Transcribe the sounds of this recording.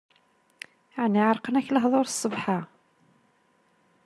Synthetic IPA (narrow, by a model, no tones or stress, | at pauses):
ʕniʕəɾˤqənæçləɦðˤoɾsˤːəvħa